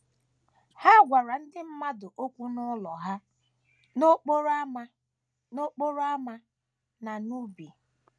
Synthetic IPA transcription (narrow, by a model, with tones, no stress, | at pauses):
ha˦ɡʷa˨ɾa˨n̩˦dɪ˦m̩˦ma˦dʊ˨ʔo˦kʷu˦nʊ˦lɔ˨ɦa˦ | no˦k͡po˦ɾa˦ma˦ | no˦k͡po˦ɾo˦a˦ma˦ | na˨nu˦bi˨